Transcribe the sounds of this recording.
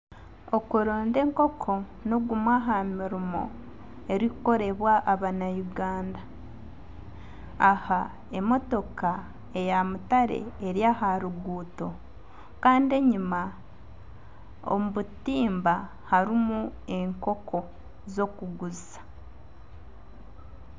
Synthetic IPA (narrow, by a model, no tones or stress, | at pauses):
o̞kuɾoːnde̞ːŋko̞kʰo̞ | no̞ɡumwaɦamiɾimo̞̰ | e̞ɾikuko̞ɾe̞βwaʔaβanajuɡaːnda | ha | e̞mo̞to̞ka | e̞jamutaɾe̞̰ːɾjaɦaɾuɡuːto̞ | kaːndie̞ɲima | o̰muβutiːmba | haɾimu | e̞ŋko̞kʰo̞ | zo̞kuɡuz | ḁ